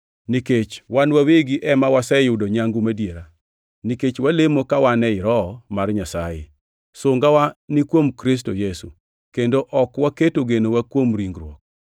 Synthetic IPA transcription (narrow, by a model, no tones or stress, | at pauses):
niket͡ʃwanwaweɡiʔɛmawasɛjʊdoɲaŋɡumadjeɾa | niket͡ʃwalemokawanɛɪɾɔmarɲasajɪ̰ | sʊŋɡawanikwomkɾis̬tojesṵ | kendoʔɔkwaketoɡenowakwomɾiŋɡɾwɔk̚